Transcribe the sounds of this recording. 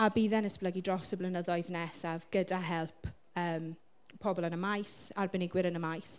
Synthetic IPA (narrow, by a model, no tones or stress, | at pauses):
abiːðɛnəspləɡidrɔsəblənəðɔɨðnɛsavɡ̥ədaɦɛlˠpʰ | əːm | pʰːɔbɔlˠənəmajsarbɪnɪɡwɪɾənəmajs